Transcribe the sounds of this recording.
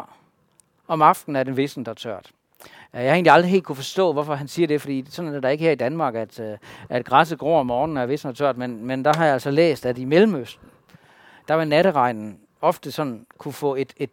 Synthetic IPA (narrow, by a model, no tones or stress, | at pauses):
ɒ̽mɑ̈fd̥n̩æɐd̥enʋe̝sn̩d̥ɑt͡sʰøɐ̰d̥ | jɑhɑe̝ːnliɑld̥ʁiɦe̝ːld̥̚kʰufɒ̽sd̥ɔ̰̽ːʋɒfɒ̽ɦænsiːɐɾ̥e̝fɒ̽d̥ḭːsɒ̽nnæd̥ɑ̈e̝ɡ̥əheɐid̥ænmɑ̈ːɡ̥æd̥ʔæd̥ɡ̥ʁɑs̬əɡ̥ʁo̝̰ɒmːɒːnn̩æɐʋe̝sn̩ɒt͡sʰøɐd̥menmend̥ɑ̈ɦɑ̈jɑælsɒlḛːsd̥ædimelm̩øsd̥n̩ | d̥ɑʋɑ̈næɾəʁɑ̈ɪnn̩ | ɒ̽fd̥əsɒ̽nn̩kʰufɔ̰̽ːe̝d̥e̝d̥